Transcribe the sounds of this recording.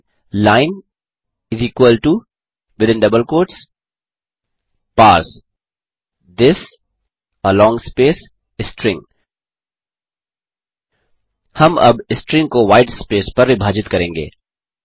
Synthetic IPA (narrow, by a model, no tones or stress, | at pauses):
laːɪn | ɪziːkwəlʈu | ʋɪd̪ɪ̃nɖɐbəlkoːɾʈs | paːɾs | d̪ɪs | əlɔ̃ːŋɡspeːs | ɪsʈɾɪ̃ŋɡ | hɐmʔɐ̰bɪsʈɾɪ̃ŋkoʋaːɪɖspeːspɐɾʋɪbʱaːd͡ʒɪt̪kɐɾẽːŋɡḛː